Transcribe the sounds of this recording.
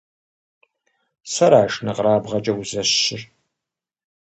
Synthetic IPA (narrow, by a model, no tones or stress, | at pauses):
sɐɾaːʃnɨqraːbʁɐt͡ʃʼɐwzɐɕɪr